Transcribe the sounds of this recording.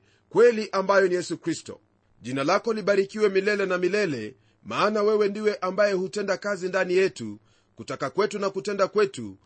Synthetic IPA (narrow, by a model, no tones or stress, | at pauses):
kwɛliʔambajɔnijɛsukɾistɔ̰ | ʄinalakɔliɓaɾikiwɛmilɛlɛnamilɛlɛ | maːnawɛwɛndiwɛʔambajɛhutɛndakazindanijɛtu | kutakakwɛtunakutɛndakwɛtṵ